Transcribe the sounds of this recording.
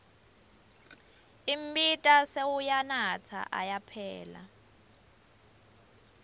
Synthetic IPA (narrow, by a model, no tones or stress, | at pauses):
im̩bitʼasewujanat͡sʰa̰ʔa̰japʰɛːla̰